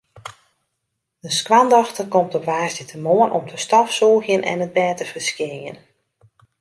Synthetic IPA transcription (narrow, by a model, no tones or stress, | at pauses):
dəskwandɔxtəkɔmtɔpʋaːsdətʰəmoənʔɔ̰mtʰəstɔfsɔːxjənʔɛ̰nət̚bɛːtəfərskɪjə̰n